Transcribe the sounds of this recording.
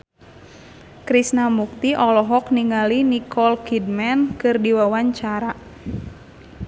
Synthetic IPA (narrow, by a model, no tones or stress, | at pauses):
kɾisnamuk̚t̪iʔɔlɔɦɔkniŋalinikʰɔlkid̚mɛnkɨrdiwawaɲt͡ʃaɾa